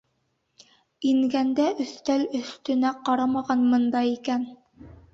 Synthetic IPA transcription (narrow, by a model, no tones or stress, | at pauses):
iŋɡænd̪æʔɵ̆θt̪ælɵ̆θt̪ɵ̆næqɑɾɑmɑʁɑnmɤ̆nd̪ɑikæn